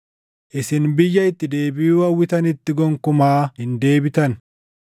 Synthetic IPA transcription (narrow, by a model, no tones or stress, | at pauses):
ʔɪsɪnbɪjːɐɪt̪ːɪd̪e̞ːbɪuwɐwːɪt̪ɐnɪt̪ːɪɡɔŋkʊmaːhɪnd̪e̞ːbɪt̪ɐn